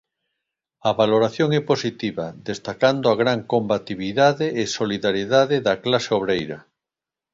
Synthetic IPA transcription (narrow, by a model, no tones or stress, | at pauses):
ɐβaloɾaθjoŋɛposit̪iβaðest̪akand̪oaɣɾaŋkombat̪iβiðaðeːsoliðaɾjeðaðɪðaklaseoβ̞ɾejɾɐ̰